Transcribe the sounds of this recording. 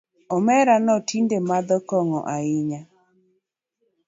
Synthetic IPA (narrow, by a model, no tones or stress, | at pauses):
ɔmɛɾanɔtʰindemad̪ɔkɔŋɔ̰ʔaɪɲa